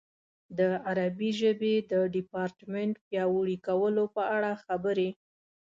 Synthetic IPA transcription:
d̪əaɾabiʒəbed̪əɖɪpɑɾʈmeɳʈpjɑwəɽikawəlopəaɽaxabəɾe

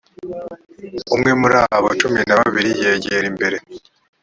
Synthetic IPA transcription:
umŋe̞muɾaːβo̰t͡ʃuminaβaβiɾijeːɟeɾimbe̞ɾe̞

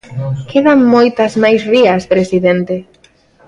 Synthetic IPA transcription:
kʰeðamːojt̪azmajsriaspɾesiðent̪e

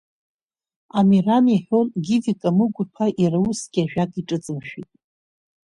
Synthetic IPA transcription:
amiramiħʷᶣonɡʲidikʼamɨɡʷʊpʰaʔirawusɡʲaʒᶣakʼiʈ͡ʂʼɨt͡sʼɨmʃᶣitʼ

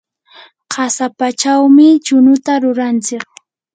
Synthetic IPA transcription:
qʰɑsapat͡ʃawmɪt͡ʃʊnʊt̪aɾʊɾant͡sɪk

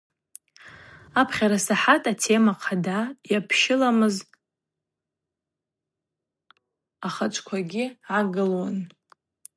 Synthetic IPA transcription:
apʰχʲaɾasaħatʼatʰe̞maqʰadajapʰʃɪlamɨz | aχat͡ʃʷʼʰkʷʰaɡʲɪʕaɡɨlwan

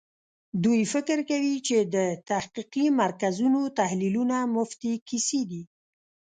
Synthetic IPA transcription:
d̪ujfɪkəɾkawit͡ʃed̪ət̪ahqiqimaɾkazunot̪ahlilunamʊft̪ikised̪i

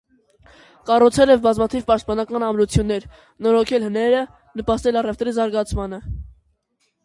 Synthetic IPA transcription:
kɑrut͡sʰɛlɛvbɑzmɑt̪ʰivpɑʃt̪̚pɑnɑkɑnɑmɾut͡sʰjunːɛɾ | nɔɾɔkʰɛlhənɛɾə | nəpɑst̪ɛlɑrɛft̪ɾizɑɾɡɑt͡sʰmɑnə

